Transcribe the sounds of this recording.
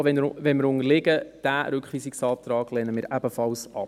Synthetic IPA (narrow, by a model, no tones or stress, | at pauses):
ʋɛnʋɛnmɪɾʊŋəɾlɪɡəd̥æːɾʏkχʋiːsɪksɑːt̪ɾɑːɡ̥lɛːnəmɪːɾʔæbəfɑlsɑ̰p